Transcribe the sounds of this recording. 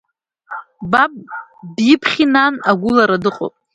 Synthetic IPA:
babʼbjɪpʰχʲinanaɡʷʊlaɾadɨqʼo̰pʼ

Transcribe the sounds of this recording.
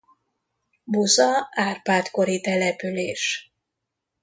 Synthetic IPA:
buzɒaːrpaːt̪ko̞ɾit̪ɛlɛpyleːʃ

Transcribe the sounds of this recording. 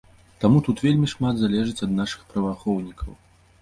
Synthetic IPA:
t̪amut̪ut̪vʲelʲmʲiʂmad̪zalʲɛʐɨt͡sʲɐd̪naʂɨ̥xpɾɐvaxɔwnʲikɐw

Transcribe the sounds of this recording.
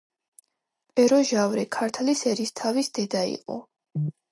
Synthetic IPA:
pʼɛɾɔʒavɾɛkʰaɾt̪ʰlisɛɾist̪ʰavisd̪ɛd̪aḭqʼɔ̰

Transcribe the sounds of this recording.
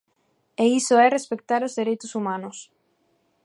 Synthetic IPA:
eisoɛrespek̚t̪aɾozðeɾejt̪ʊsumãnʊs

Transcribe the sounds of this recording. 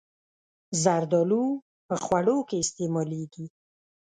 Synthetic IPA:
zaɾd̪ɔlu | pəxwaɽokeɪst̪emɔleɡi

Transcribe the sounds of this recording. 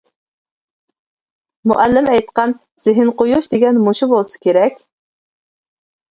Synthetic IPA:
mʊ̰ʔælːɪmɛjt̪qɑn | z̥ɪɦɪnqojuʃd̪eɡʲɛnmoʃubolˠsɪ̥kʲeɾɛkʲ

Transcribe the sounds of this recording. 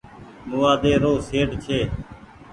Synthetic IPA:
mʊːaːd̪eːɾoːseːɖt͡ʃʰeː

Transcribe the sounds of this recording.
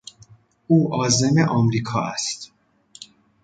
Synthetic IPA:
ʔuːʔɒːze̞meʔɒːmɾiːkʰɒ̰ːʔæ̰st̪

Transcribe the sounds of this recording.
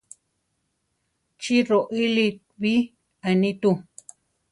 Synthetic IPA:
t͡ʃiɾoʔilit̪ | βi | ainĩt̪u

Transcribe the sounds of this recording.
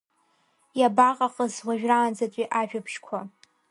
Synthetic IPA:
jabaqʼaqʼəzwaʒᶣraːnd͡zatʷʼiʔaʒᶣapʰʂkʷʰa

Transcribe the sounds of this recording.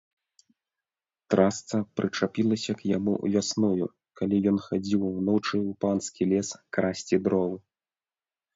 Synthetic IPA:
t̪ɾʔast̪sɐpɾʔɨt͡ʂapʲilˠɐsʲɐkjamṵvʲasnujṵ | kalʲijɔnxad͡zʲiwwnɔt͡ʂɨupanskʲilʲɛskɾasʲt͡sʲid̪ɾɔvɨ

